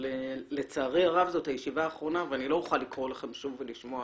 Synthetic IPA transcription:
lelet͡saːʁeaʁavzo̞tajeʃivaːχʁo̞naveanilojuχalikʁo̞laχe̞mʃuvːeliʃmoa

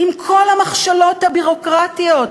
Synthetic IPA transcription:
imkʰo̞lhamaχʃalo̞t̪habiʁo̞kʁatijo̞t̚

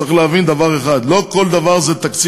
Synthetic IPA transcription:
aχleavind̪avaʁeχad̪lo̞ko̞ld̪avaʁzet̪akt͡si

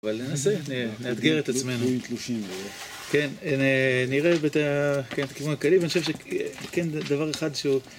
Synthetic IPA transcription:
avalne̞nase̞nenead̪ɡeʁet̪at͡sme̞nut̪luʃim | ke̞nneniʁebet̪akenet̪akivunakalivanioʃevʃekend̪avaʁe̞χad̪ʃeu

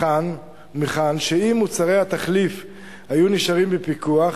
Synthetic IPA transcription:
an | meχanʃeimːut͡saʁe̞jhat̪aχlif | hajuniʃaʁimbepikuaχ

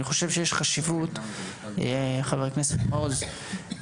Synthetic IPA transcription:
niχo̞ʃevʃejeʃχaʃivut̪ | χaveʁkneset̪molz

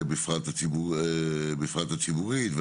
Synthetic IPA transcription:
bifʁat̪at͡sibu | bifʁat̪hat͡sibuʁit̪v

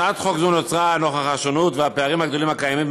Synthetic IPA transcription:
at̪χo̞kzunot͡sʁano̞χaχaʃonut̪veapeaʁimhaɡd̪o̞limhakajamim

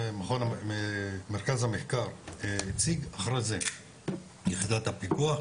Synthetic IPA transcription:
maχona | meɾkazhameχkaɾit͡siɡaχɾeze | jiχid̪at̪apiɡuaχ

